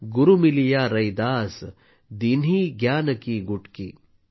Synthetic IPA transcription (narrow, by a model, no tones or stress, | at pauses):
ɡʊɾumilijaːɾɐjd̪aːs | d̪iniɡjaːnəkiɡʊʈkḭː